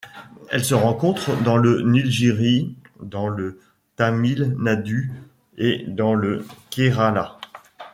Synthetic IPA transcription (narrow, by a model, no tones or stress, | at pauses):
ɛ̰lsəʁɑ̃kɔ̃t̪χd̪ɑ̃lənilʒiʁid̪ɑ̃lə | t̪amilnad̪y | ed̪ɑ̃ləkʲeʁala